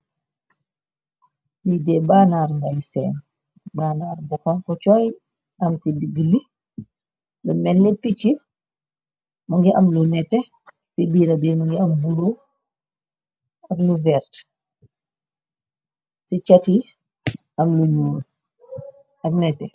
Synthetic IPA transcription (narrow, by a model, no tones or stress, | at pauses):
lidɛbaːnaːrŋɡajsɛːn | baːnaːɾbɔkɔnkɔt͡ʃɔj | ɐmsidiɡili | lumɛlːɛpit͡ʃːi | mɐŋɡiʔɐmlunɛtːɛ | sibiːɾɐbiːɾmɐŋɡiɐmbulu | ɐɡluvɛːrt | sit͡ʃɐti | ɐmluɲuːl | ʔɐk̚nɛtːɛ